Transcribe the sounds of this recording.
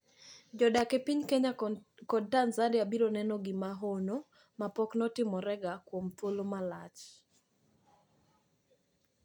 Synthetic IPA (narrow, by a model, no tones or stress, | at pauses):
d͡ʒɔdakepiɲkeɲakɔd̚tanzadɪabiɾonɛnɔɡɪmaɦono | mapɔknɔtɪmɔɾɛɡakwomt̪wolomalat͡ʃ